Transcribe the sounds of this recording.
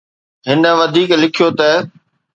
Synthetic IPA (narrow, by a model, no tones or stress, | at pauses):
ɦɪnə̆ʋɐd̪ʱiːklɪkʰijot̪ɐ